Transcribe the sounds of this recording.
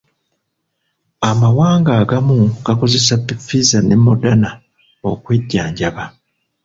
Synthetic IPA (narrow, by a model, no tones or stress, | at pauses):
amawaːŋɡaːɡamuɡ̥ako̞ze̞sapːifizanemːodana | okweɟːaːɲɟaβa